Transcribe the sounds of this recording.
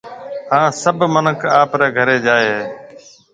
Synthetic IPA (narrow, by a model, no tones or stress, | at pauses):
hãːsəbʱmənəkʰaːpɾɛːɡʱəɾeːd͡ʒaːeː